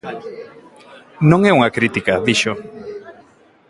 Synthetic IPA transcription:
nõŋeuŋakɾit̪ikaðiʃo

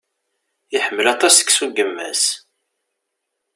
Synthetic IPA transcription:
jəħəmːəlɑt̪ˤɑsə̥ksuɡəmːæ̰s

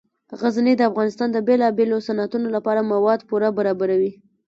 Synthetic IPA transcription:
ɣazned̪əafɣɑnɪst̪ɑnd̪əbelɑbelosanat̪unolapɑɾamawɑd̪puɾabaɾɑbaɾawi

